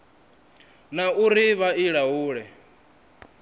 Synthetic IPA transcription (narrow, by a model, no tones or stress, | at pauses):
nauɾiβaiɺaɦuːɺɛ